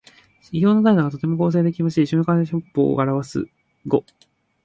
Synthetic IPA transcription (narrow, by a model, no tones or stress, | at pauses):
ɕiçʲo̞ːno̞t̪aid̪oɡat̪o̞t̪e̞mo̞ko̞ːs̬e̞ːd̪e̞kʲimaɕiːɕoɲokaeɕopːo̰ːaɾaβasɨ̰ | ɡo